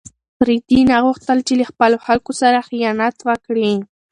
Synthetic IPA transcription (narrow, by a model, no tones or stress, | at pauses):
pɾɪt̪inaʁoχt̪alt͡ʃɪleχpalohalkʊsaɾɑχjanat̪wakɾiŋ